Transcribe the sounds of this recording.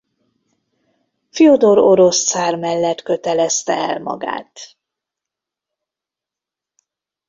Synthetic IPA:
fiod̪oɾo̞ɾo̞st̪saːrmɛlːɛt̪kø̞t̪ɛlɛst̪ɛ̰ɛ̰lmɒ̰ɡa̰ːt̪

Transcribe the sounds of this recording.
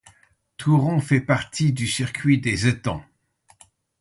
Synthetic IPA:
t̪ʰuʁɔ̃fɛpaʁt̪ʰid̪ysyʁkʰʲɥid̪ezet̪ɑ̰̃

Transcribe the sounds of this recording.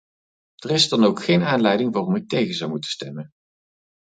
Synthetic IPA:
d̥ərɪsdɑnowkχejnaːnlɛjdɪŋʋaːrɔmɪk̚tejχəzɑwmutə̥stɛmən

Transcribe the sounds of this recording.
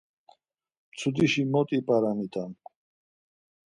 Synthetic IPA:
mt͡sʰud̪iʃimɔt̪ʼipʼaɾamit̪ʼan

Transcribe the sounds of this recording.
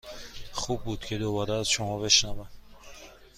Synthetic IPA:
χub̚ːud̪kʰid̪ɔvaɾd̪aːzt͡ʃʰuhɔveʃnavan

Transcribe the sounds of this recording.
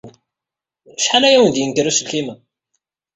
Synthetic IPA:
ʃħalæjæwənd̪jənɡ̪iɾusəlkimæ

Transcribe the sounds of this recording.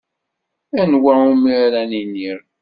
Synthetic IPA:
ænwæumiɾæniniɾ

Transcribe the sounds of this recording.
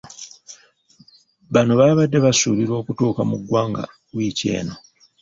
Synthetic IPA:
βanoβaːβadːe̞βasuːβiɾwo̞ːkutuːkamuɡːwaːŋɡa̰ | wiːce̞̰ːno̞

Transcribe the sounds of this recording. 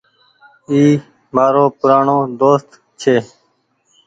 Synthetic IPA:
iː | maːɾoːpʊɾaːɳoːd̪oːst̪ | t͡ʃʰeː

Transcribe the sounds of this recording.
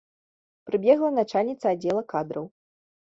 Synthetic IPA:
pɾɨbʲɛɣlˠɐnat͡ʂalʲnʲit̪sɐad͡zʲɛlˠɐkad̪ɾɐw

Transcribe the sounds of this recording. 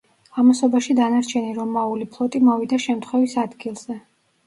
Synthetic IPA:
amasɔbaʃid̪anaɾt͡ʃʰɛniɾɔmaulipʰlˠɔt̪ʼimɔvid̪aʃɛmt̪ʰχwɛvisad̪ɡilˠz̥ɛ

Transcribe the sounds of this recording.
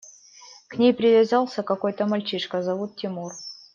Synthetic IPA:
knʲejpɾʲɪvʲazɑlˠsʲəkɐko̞jt̪əmɐlʲt͡ɕiʂkəzɐvut̪̚tʲːɪmur

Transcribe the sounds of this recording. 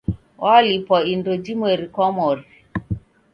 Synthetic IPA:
walipɔindod͡ʒimweɾikɔmɔɾi

